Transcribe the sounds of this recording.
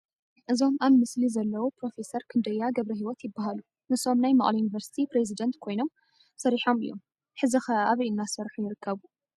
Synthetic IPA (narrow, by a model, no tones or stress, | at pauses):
ʔɨzo̞mʔaβmɨslizɐlːɐwopɾo̞fe̞sɐɾkʰɨnd̪ɐjːaɡɐβɾɐɦiwɔt̪jɪbːaɦalu | nɨso̞mnajmɐχʼlɐjunivɐɾsi̥t̪ʰipɾezid̪ɐnt̪kʰo̞jno̞m | sɐɾiħo̞mɨ̰jːo̞̰m | ħɨzɨxɐaβijɨnːasɐɾħujɪɾɨkʰːɐβu